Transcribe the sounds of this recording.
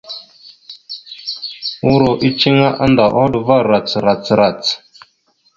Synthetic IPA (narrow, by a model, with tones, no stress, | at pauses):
u˦ɾo˨ʔi˦t͡ʃi˦ŋa˦ʔa˦nda˨ʔo˦dva˦˨ɾa˨t͡sɾa˨t͡sɾa˨t͡s